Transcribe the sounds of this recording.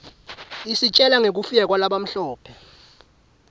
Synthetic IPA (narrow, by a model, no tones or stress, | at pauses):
isit͡ʃʼɛlaŋek̬ufijɛk̬walaɓam̩ɬɔːpʰɛ